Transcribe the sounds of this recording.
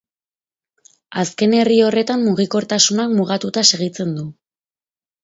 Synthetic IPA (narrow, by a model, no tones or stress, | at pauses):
aske̞ne̞rio̞re̞t̪ammuɣ̞iko̞ɾt̪asunakmuɣ̞at̪ut̪ase̞ɣ̞it͡se̞nd̪u